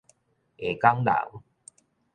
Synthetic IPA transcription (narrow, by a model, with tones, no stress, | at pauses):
e˨˩ka˦ŋla̰˨˩˦w